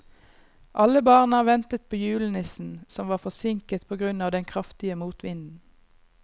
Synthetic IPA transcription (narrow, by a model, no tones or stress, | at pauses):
ʔɑləbɑːʁnɑːʋɛnt̪ət̪̚pʰoːjʉːlnəsn̩sɔmʋɑːfɔsɪŋkət̪pʰoːɡʁʉnɑːʋd̪ɛnkʰʁɑft̪ɪəmuːt̪ʋɪnd̪n̩